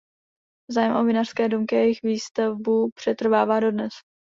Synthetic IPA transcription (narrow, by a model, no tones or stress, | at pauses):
zaːjɛmʔovɪnar̥skɛːdumkɪjɛjɪxviːst̪avbupr̝̥ɛt̪r̩vaːvaːdo̞dnɛs